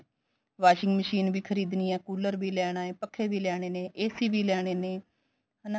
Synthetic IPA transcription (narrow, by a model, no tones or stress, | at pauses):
ʋaːʃɪŋɡməʃiːnʋiːkʰəɾiːd̪nijãːkuːləɾbiːlɛːɽ̃aːeːpəkʰːeːʋiːlɛːɽ̃eːneːʔeːsiːʋiːlɛːɽ̃eːneː | na